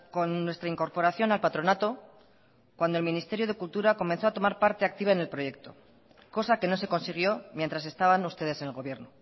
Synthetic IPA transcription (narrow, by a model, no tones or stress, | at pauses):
ko̞nːwe̞st̪ɾaiŋko̞ɾpo̞ɾaθjo̞nalpat̪ɾo̞nat̪o̞ | kwand̪o̞lminist̪e̞ɾjo̞ð̞e̞kult̪uɾako̞mẽ̞nθo̞at̪o̞maɾpaɾt̪e̞ak̚t̪iβaene̞lpɾo̞je̞k̚t̪o̞̰ | ko̞sake̞no̞se̞ko̞nsiɣ̞jo̞mjent̪ɾas̬e̞st̪aβanust̪e̞ð̞ese̞nelɣo̞βje̞ɾno